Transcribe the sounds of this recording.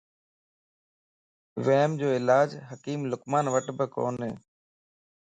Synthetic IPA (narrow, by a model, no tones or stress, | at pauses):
ʋeːmd͡ʒoːɪlaːd͡ʒɦəkiːmlʊkmaːnʋəʈbəko̰ːnɦḛː